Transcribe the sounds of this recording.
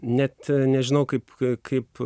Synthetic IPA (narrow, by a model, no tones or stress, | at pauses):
nʲɛt̪nʲɛʒʲɪnɐʊkɐɪpkʰɐɪp